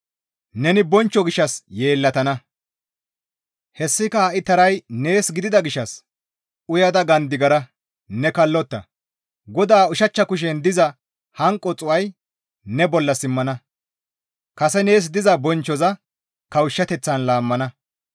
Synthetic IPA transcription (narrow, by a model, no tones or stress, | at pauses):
nɛnɪbɔnt͡ʃːɔɡɪʃːɐsje̞ːlːɐt̪ɐnɐ | hɛsːɪkɐhɐʔɪt̪ɐɾɐjne̞ːsɡɪd̪ɪd̪ɐɡɪʃːɐs | ʔʊjɐd̪ɐɡɐnd̪ɪɡɐɾɐ | nɛkɐlːɔt̪ːɐ̰ | ɡɔd̪aːʊʃɐt͡ʃːɐkʊʃ̬ɛnd̪ɪzɐ | hɐŋkʼːɔt͡sʼʊwɐj | nɛbɔlːɐsɪmːɐnɐ | kɐsɛne̞ːs̬d̪ɪzɐbɔnt͡ʃːɔzɐ | kɐwʊʃːɐt̪ɛt͡sːɐnlaːmːɐnɐ